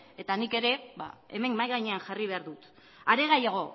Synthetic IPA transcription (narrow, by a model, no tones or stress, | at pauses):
e̞t̪anike̞ɾe̞βa̰e̞me̞ŋmajɣajɲe̞anʝariβe̞aɾðut̪ | aɾe̞ɣ̞ajaɣ̞o̞